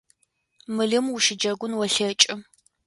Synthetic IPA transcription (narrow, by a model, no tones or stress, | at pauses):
mɨɮɨmʊʃɪd͡ʒɐɡʷʊnwɔɬɐt͡ʃʼɨ